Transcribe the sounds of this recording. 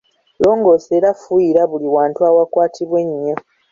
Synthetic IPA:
lo̞ːŋɡo̞seɾafujiɾaβuliwaːntuawakwaːtʰiβwe̞ɲːo̞

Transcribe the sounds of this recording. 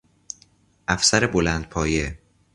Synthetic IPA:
ʔæfsæɾebolænd̪̚pʰɒːje

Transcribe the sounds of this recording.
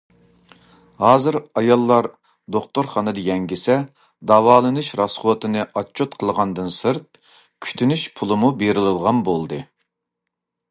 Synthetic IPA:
hɑːzɨɾɑjɑlˠːɑɾ | d̪oχt̪oɾχɑːnɨd̪ɨjɛŋɡʲisɛ | d̪ɑwɑːlˠɨnɨʃɾɑsχuwət̪ɨnɨʔɑt͡ʃʰːot̪qʰəlˠʁɑnd̪ɨnsɨɾt̪̚ | kʲʰy̥t̪ʰynyʃpʰulˠɨmubeɾɪlˠɨlˠʁɑnbolˠd̪ɨ

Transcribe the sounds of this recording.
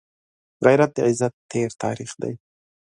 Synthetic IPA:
ɣajɾat̪̚d̪eʕɪzat̪ʰːeɾt̪ʰɑ̰ɾiχd̪a̰j

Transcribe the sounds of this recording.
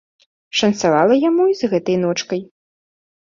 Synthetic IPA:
ʂɐnt̪savalˠɐjamuizɣɛt̪ɐjnɔt͡ʂkɐj

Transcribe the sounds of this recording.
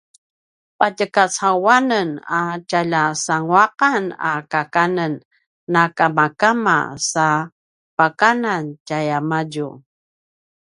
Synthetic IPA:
pacəkasawanənacaʎasaŋuaqana̰kakanənː | akamakama̰sa | pakanancajamaɟu

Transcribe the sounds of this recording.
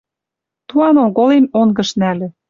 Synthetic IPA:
t̪uɑnoɣolenoŋɡɤ̆ʃnælɘ̆

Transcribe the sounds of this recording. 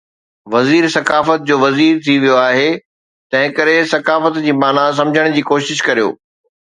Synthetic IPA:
ʋɐziːɾsɐkaːfət̪̚d͡ʑoːʋɐziːɾt̪ʰiʋijoaːɦe | t̪ɐ̃ɦɪ̃kɐɾesɐkaːfət̪d͡ʑiːmaːnas̬ɐ̃md͡ʑʱəɽ̃d͡ʑiːkoːʃɪʃkɐɾijo̰ː

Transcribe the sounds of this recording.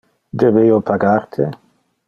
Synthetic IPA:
d̪ebejopʰaɡart̪ʰe

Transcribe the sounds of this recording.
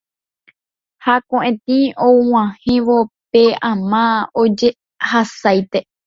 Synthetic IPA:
hakõʔẽt̪iõwãhĩʋopeãmãod͡ʒe | hasajt̪e

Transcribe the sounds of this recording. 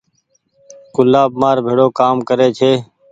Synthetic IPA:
kʊlaːbmaːɾbʱeːɽoːkaːmkəɾeːt͡ʃʰeː

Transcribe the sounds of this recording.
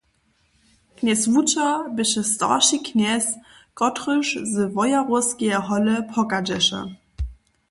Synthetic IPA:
kʰnɛsvutɐbɪʃəsta̰ːʃikʰnɛs | ɡ̥ɔtʁʏʃzəvɔjaʁosɡ̥eɐɦɔləpʰɔkad͡ʒɛʃɐ̰

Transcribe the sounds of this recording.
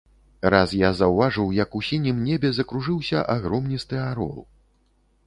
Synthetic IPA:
ɾasjazɐwvaʐɨwjɐkusʲinʲimnʲebʲɛzɐkɾuʐɨwsʲɐʔaɣɾɔmnʲist̪ɨaɾɔ̰lˠ

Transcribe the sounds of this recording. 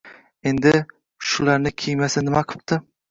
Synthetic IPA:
e̞nd̪ɪ | ʃʊlaɾnɪkʲʰejmasɪnɪmaqʰɨ̥p̚t̪ɪ

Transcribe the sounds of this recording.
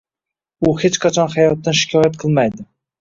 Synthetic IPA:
ʊhet͡ʃqʰat͡ʃʰɒnhajɒt̪ːanʃɪ̥kʲʰɒjat̪̚qʰɨlˠmajd̪ɪ

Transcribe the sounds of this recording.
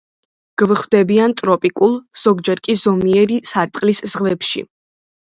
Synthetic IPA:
ɡ̥vχwd̪ɛbiant̪ʼɾɔpʼikʼulˠz̥ɔɡd͡ʒɛɾkʼizɔmiɛɾisaɾt̪ʼqʼliszʁvɛpʃḭ

